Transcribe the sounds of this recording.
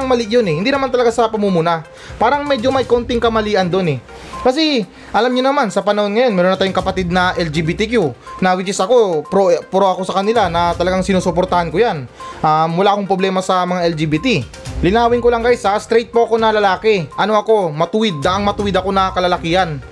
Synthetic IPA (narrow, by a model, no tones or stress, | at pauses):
ɐŋmɐlɪʔjonɛhɪnd̪inɐmant̪ɐlɐɡasɐpɐmumuna | paːɾɐŋmɛd͡ʒomɐjko̞nt̪ɪŋkɐmɐliːʔɐnd̪o̞nɛ | kɐs̬ɛ | ʔɐlamɲonɐmansɐpɐnɐho̞nŋɐjo̞nmɛɾonɐt̪aːjʊŋkɐpɐt̪id̪̚nɐʔɛld͡ʒibit̪ikjunɐwɪt͡ʃɛsɐko̞pɾopɾo̞ʔɐko̞sɐkɐnɪlanɐt̪ɐlɐɡaŋsɪnuːsopo̞ɾt̪ɐhankojanʔamwʊlaːkoŋpɾoblɛːmɐsɐmɐŋaʔɛld͡ʒibiːt̪i | lɪnaːwɪŋkolɐŋkajsɐst̪ɾɛjt̪̚poʔɐko̞nɐlɐlaːkɛʔɐno̞ʔɐko̞mɐt̪ʊwɪd̪̚ːɐʔŋmɐt̪uwɪd̪ɐko̞nɐkɐlɐlɐkiːhɐn